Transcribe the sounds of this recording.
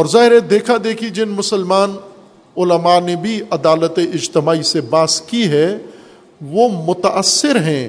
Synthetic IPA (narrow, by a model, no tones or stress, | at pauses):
ɔːɾzaːɦɪɾɛd̪eːkʰad̪eːkʰid͡ʒɪnmʊsəlmaːn | ʊləmanebʱiɐd̪aːlət̪eʔɪd͡ʒt̪ɪmaːisebaːskiɦɛ | ʋomʊt̪aʔəsːɪɾɦɛ̃ː